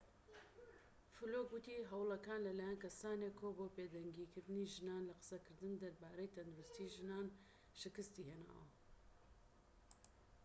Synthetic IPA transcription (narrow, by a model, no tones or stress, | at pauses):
fulokwɨt̪iɦɐwlˠɐkaːnlɐlaːjankɐsaːnekʰoːboːped̪ɐŋɡikʰɨɾd̪ɨniʒɨnaːnlɐqɨ̥sɐkɨɾd̪ɨnd̪ɐɾbaːɾɐjt̪ʰɐnd̪uɾust̪iʒɨnaːn | ʃɨkɨst̪iheːna̰ːwɐ̰